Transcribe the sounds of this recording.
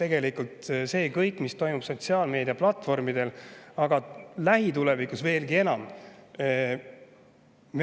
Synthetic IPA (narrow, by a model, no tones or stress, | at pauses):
t̪e̞ɡe̞likˑult̪se̞ːkɤjkːˑmist̪o̞jmub̥so̞t̪ʲsiɑːlme̞ːd̪ijɑplɑt̪ːˑfo̞rmid̪̥e̞lɑɡ̥ɑlæɦit̪ulevikˑusve̞ːlɡie̞nɑm | m